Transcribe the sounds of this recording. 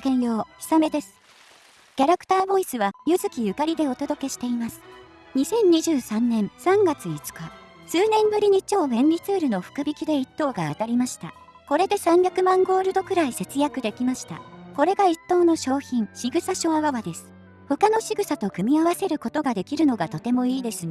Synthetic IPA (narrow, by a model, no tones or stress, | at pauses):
kẽjo̞ːçi̥same̞d̪e̞sɨ̥ | kʲaɾakɯ̥t̪aːbo̞isɨβajɯzɨkʲijɯ̟kaɾʲid̪e̞o̞t̪o̞d̪o̞ke̞ɕi̥t̪e̞imasɨ̥ | ɲ̟isẽ̞ɲ̟ɲiʑɨːsãnːẽ̞ɰsãŋɡat͡sɨit͡sɨ̥ka | sɨːnẽ̞mbɯ̟ɾʲiɲ̟it͡ɕo̞ːbẽ̞ɲʲɾʲit͡sɨːɾɯ̟no̞ɸɯ̥kɯ̟bʲikʲid̪e̞it̪ːo̞ːɡaːt̪aɾʲimaɕi̥t̪a̰ | ko̞ɾe̞d̪e̞sãmbʲakɯ̟mãŋɡo̞ːɾɯ̟d̪o̞kɯ̟ɾaise̞t͡sɨjakɯ̟d̪e̞kʲimaɕi̥t̪a̰ko̞ɾe̞ɡait̪ːo̞ːno̞ɕo̞ːçĩɰ̃ɕiɡɯ̟saɕo̞aβaβad̪e̞sɨ̥ | ho̞kano̞ɕiɡɯ̟sat̪o̞kɯ̟mʲiaβase̞ɾɯ̟ko̞t̪o̞ɡad̪e̞kʲiɾɯ̟no̞ɡat̪o̞t̪e̞mo̞iːd̪e̞sɨn